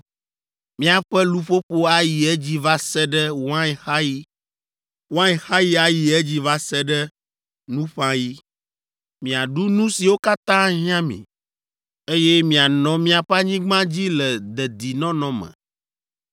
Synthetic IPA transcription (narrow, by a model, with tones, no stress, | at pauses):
mĩ˦a˨ɸɛ˦lu˦ɸo˦ɸo˦a˦ji˨ɛ˦d͡ʑi˦va˦sɛ˦ɖɛ˦wã˦˨xa˦ji˦ | wã˦i˨xa˦ji˦a˨ji˨ɛ˦d͡ʑi˦va˦sɛ˦ɖɛ˦ | nũ˦ɸã˦ji˦ | mĩ˨a˨ɖu˦nũ˦si˨wo˦ka˦t̪ã˦ɦĩ˦ã˦mḭ̃˨ | e˦je˦mĩ˨a˨nɔ̃˨mĩ˦a˨ɸa˦ɲĩ˦ɡ͡bã˦d͡ʑi˦lɛ˨d̪ɛ˨d̪i˨nɔ̃˦nɔ̃˨mɛ̰̃˨